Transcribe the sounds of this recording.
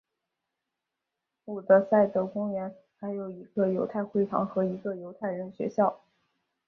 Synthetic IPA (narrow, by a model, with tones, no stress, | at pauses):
u˨˩d̪ə˦sa˥˩ɪt̪ə˥˩kʊ˥ŋɥɛ˧˥n | xa˧˥ɪjo˨˩ʊi˧˥ɡə˧jo˧˥ʊt̪ʰa˥˧ɪxwe˥˩ɪt̪ʰɑ̰˧˥ŋxɤ˧˥i˧˥ɡə˧jo˧˥ʊt̪ʰa˥˩ɪɻə˧˥nɕɥɛ̰˧˥ɕjɑ˥˩ʊ